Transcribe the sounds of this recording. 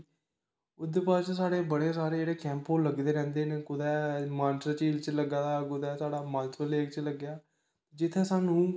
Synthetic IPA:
ʊd̪eːpaːɾt͡ʃsaːɽeːbəɽeːsaːɾeːeːɽeːkɛ̃ːmpɦoːləɡd̪eːɾɛ̃ːnd̪eːneːkʊd̪ɛːmaːnʈəɾt͡ʃiːlt͡ʃələɡaːd̪aːkʊd̪ɛːsaːɽaːmaːlt͡ʃɪəleːkt͡ʃələɡjaː | t̪ed͡ʒɪt̪ʰːeːsaːnũː

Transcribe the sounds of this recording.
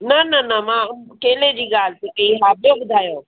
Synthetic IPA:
nɐnɐnɐmãːkeːled͡ʑiːɠaːl̤sekɐiɦaːbijoɓʊd̪ʱaːjoː

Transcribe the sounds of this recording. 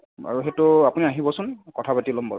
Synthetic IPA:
a̰ɹuɦetʊapuniaɦibɔsʊnkɔtʰapatilɔmbɔ̰

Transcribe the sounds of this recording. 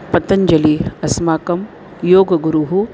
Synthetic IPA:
pɐt̪ːɐɲd͡ʒɐliɐsmaːkɐm | joːɡɐɡuɾuɦu

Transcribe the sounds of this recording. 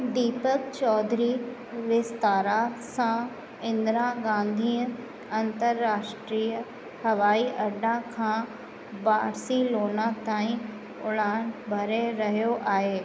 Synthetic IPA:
d̪iːpəkt͡ɕɔːd̪ɾi | ʋɪst̪aːɾasã | ɪ̃nd̪ɾaɡãːnd̪ʱiːə̃ | ɐ̃nt̪əɾːaːʃʈɾiːə | hɐʋaːiʔɐɖãkʰãː | baːɾsiloːnat̪aːĩ | ʊɽaːɽ̃bʱɐɾeɾɐɦijoʔaːɦeː

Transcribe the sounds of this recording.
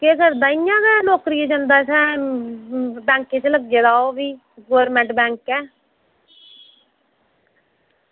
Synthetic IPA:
keːkəɾd̪aːijãːkɛːnoːkɾijed͡ʒãnd̪aːsɛ̃ː | bɛ̃ːŋkẽːt͡ʃləɡ̚d͡ʒeːd̪aːoːbiː | ɡoːɾmɛ̃ːɳʈbɛ̃ːŋkɛː

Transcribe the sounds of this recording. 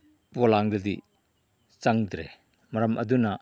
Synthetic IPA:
pɔlaŋdɐdḭ | t͡ʃɐŋdɾe | mɐɾɐmʔɐduna

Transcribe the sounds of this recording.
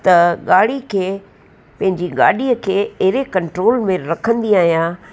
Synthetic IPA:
t̪ɐɠaːɽikʰeː | pɐ̃ɦɪ̃ɲd͡ʑiɠaːɗiəkʰeːɐɦɪɾekɐ̃ɳʈɾoːlmẽɾɐkʰə̃nd̪iaːɦijãː

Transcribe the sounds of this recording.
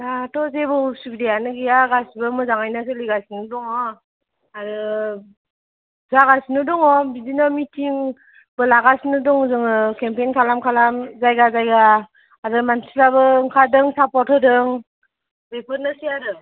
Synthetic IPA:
datɔzebɯsukdejanɯɡijaɡasbɯmɯzaŋajnas̬ɯliɡasinɯdɔŋɔ | aɾɯ | zaɡasnɯdɔŋɔbizinamitʰiŋ | bɯlaɡasnɯdɔŋzɯŋɯkempejnkʰalamkʰalamzajɡazajɡaː | ɾɯmansilaβɯŋkʰadɯŋsapɔtʰɯdɯŋ | bepʰɯɾnɯsiaɾɯ

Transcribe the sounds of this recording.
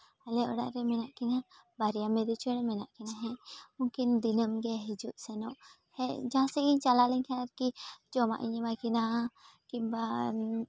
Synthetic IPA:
alɛɔɽa̰ʔɾɛmɛnaʔkinabaɾijamɛd̪ut͡ʃɔnɛmɛnaʔkinaɦɛ̃ukind̪inəmɡɛɦid͡ʒuʔsɛnɔʔ | hɛd͡ʒãsɛɡiɲt͡ʃalalɛɲkʰanaɾkid͡ʒɔma̰ʔiɲɛmakina | kiba

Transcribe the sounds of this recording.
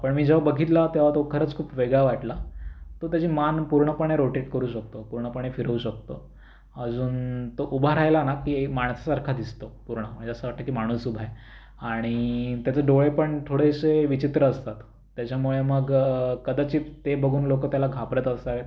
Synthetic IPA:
pəɳmiːd͡ʑəʋabəɡʱiːt̪lat̪eʋ̤at̪okʰəɾəːt͡skʰuːpʋeɡɭaʋaʈlat̪ot̪jat͡ɕiːmanpuɾɳəpəɳ̃eɾoʈeʈkəɾuːɕək̚t̪opuɾɳəpəɽ̃efiɾəuɕək̚t̪o | əd͡zuːnt̪oʔubʱaɾajlanakiːmaɳsasaɾkʰad̪ist̪opuɾɳəm̤əɳd͡ʑeasəʋaʈːakiːmaɽ̃uːsubʱae | aɽ̃it̪jat͡səɖoɭepəɳt̪ʰoɽeseʋit͡ɕit̪ɾəːst̪at̪ː | jat͡ɕamuɭeməɡkəd̪at͡ɕiːt̪ebəɡʱuːnlokət̪jalaɡʱapɾət̪əst̪aʋe

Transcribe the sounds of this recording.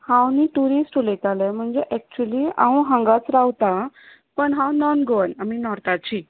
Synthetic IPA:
hãwniːʈuɾisʈolet̪alɛm̤əɳd͡zeʔɛk̚t͡ɕuəliːã̰wɦə̃ŋɡat͡sɾawt̪a | pəɳɦãwnɔnɡoʋənaminɔɾt̪at͡ɕiː

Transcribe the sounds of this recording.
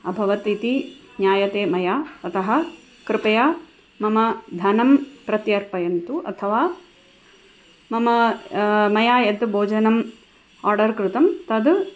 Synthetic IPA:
ɐbʱɐʋɐt̪it̪i | njaːjɐt̪eːmɐjaːt̪ɐt̪ɐɦɐ | kɾɪpɐjaː | mɐmɐd̪ʱɐnɐmpɾɐt̪jɐɾpɐjɐnt̪uʔɐt̪ʰɐʋaː | mɐmɐ | mɐjaːjɐd̪bʱoːd͡ʒɐnɐm | aːɾɖɐɾkɾut̪ɐmt̪ɐd̪

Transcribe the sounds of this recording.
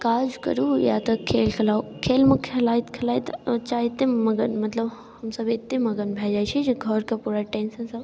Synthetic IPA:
kaːd͡ʒkɐ̰ɾuja̰t̪ɐkʰeːlkʰɐlaːokʰeːlmʊkʰɐlaːit̪kʰɐlaːit̪ɐt͡ʃaːɪt̪emɐɡənmɐt̪ləb | hɐmsɐbɪt̪emɐɡənbʱaːd͡ʒaːjt͡ʃʰid͡ʒiɡʱɔɾkapuːɾaʈẽːnsɐ̃nsɐb

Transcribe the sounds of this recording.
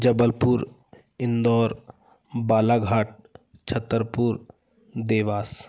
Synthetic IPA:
d͡ʒəbəlpʊɾ | ɪnd̪ɔːɾ | baːlaːɡʱaːʈ̚t͡ʃʰət̪ːəɾpuɾ | d̪eːʋaːs

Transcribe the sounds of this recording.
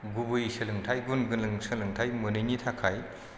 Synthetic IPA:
ɡubɯjsɯlɯŋtʰajɡunɡɯnlɯŋsɯlɯŋtʰajmɯnɯjnitʰakʰaj

